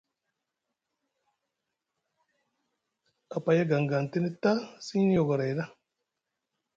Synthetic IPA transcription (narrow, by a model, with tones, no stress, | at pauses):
a˨pa˨ja˦ɡa˨ŋɡa˨n˨te˦ni˦ta˦si˦ɲ˦n˦o˨ɡa˨ɾa˨jɾa˦